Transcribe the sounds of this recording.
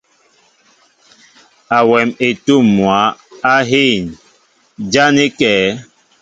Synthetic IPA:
a˨wɛ˨me˨tu˦˨mːwa˨˦a˦ɦe˦˨n | d͡ʒa˦ne˦kɛː˨˦

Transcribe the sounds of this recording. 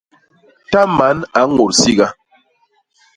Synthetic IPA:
ta˦ma˨˦na˨˦ŋo˨ɾsi˦ɡa˦

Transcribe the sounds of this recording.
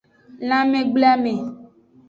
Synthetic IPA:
lã˦mẽ˨ɡ͡ble˦a˦mẽ˨

